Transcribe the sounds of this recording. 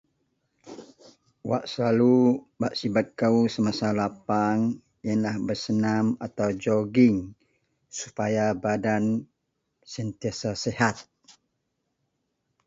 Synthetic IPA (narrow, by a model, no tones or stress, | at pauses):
waʔsəlalubaʔsibat̪̚kausəmasalapaŋ | jənlahbərsənamat̪awd͡ʒɔɡɪŋ | supajabadan | sənt̪iasasehat̪̚